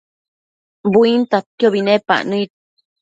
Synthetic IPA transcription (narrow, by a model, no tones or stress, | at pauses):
buint̪at̪̚joβinẽpa̰ʔnũit̪̚